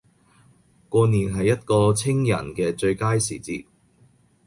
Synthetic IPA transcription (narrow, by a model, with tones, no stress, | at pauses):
kɔː˧niː˨˩nɦɐ˨jːɐ˥t̚kɔː˧t͡sʰɪ˥ŋjɐ̰˨˩nkɛː˧t͡ʃɵ˧ɥkaː˥jsḭː˨˩t͡sḭː˧t̚